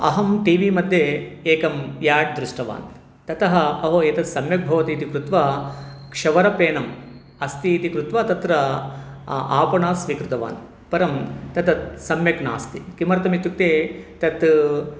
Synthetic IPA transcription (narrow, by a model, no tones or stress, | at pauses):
ɐ̰ɦɐmʈiːʋiːmɐd̪ʱjeeːkɐmjaːʈ̚d̪ɾuʂʈɐʋa̰ːn | t̪ɐt̪ɐɦɐɐɦoeːt̪ɐt̪sɐmjɐk̚bʱɐʋɐt̪iːt̪ikɾut̪ʋaːkʂɐʋɐɾɐpeːnɐm | ɐst̪iːt̪ikɾut̪ʋaːt̪ɐt̪ɾɐ | aːpɐɳaːsʋikɾut̪ɐʋa̰ːn | pɐɾɐmt̪ɐt̪ɐt̪̚sɐmjɐkna̰ːst̪ḭkimɐɾɐt̪ɐmit̪ːuk̚t̪eːt̪ɐt̪